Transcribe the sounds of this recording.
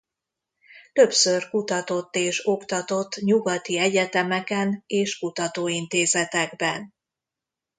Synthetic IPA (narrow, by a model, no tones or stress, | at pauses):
t̪ø̞psørkut̪ɒt̪o̞t̪ːeːʃo̞kt̪ɒt̪o̞t̪ːɲuɡɒt̪iɛɟɛt̪ɛmɛkɛneːʃkut̪ɒt̪oːint̪eːzɛt̪ɛɡbɛn